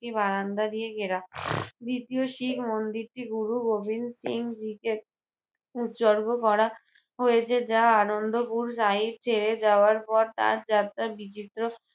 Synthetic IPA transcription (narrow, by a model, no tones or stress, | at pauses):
ibaɾand̪ad̪ijeɡeɾad̪it̪ioʃikʰmond̪iɾʈiɡuɾuɡobʱinsiŋd͡ʑike | ut̪ʃoɾɡokɔɾa | ɦojet͡ɕʰed͡ʑaanond̪opuɾʃaiɾt͡ɕʰeɾed͡ʑaoaɾpɔɾt̪a̰ɾd͡ʑat̪ɾabit͡ɕit̪ːɾo